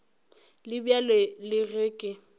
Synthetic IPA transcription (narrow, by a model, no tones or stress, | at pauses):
lɪbjalelɪɣɪːkʼɪ